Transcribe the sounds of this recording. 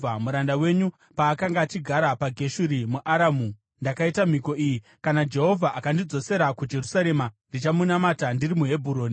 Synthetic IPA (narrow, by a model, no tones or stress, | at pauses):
amuɾandawe̞ɲu | paːkaŋɡaːt͡ʃiɡʱaɾapaɡʱe̞ʃuɾimuʔaɾamu | ndakaitam̤iko̞iji | kanad͡ʒe̞ɦo̞vʱaʔakandid͡zo̞se̞ɾakud͡ʒe̞rusaɾe̞mandit͡ʃamunamatandirimuɦe̞bʱuɾoːni